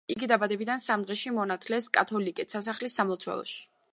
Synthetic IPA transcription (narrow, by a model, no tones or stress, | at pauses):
iɡid̪abad̪ɛbid̪ansamd̪ʁɛʃimɔnat̪ʰlɛskʼat̪ʰɔlikʼɛt̪sasaχlisːamlˠɔt̪sʰwɛ̰lˠɔ̰ʃi̥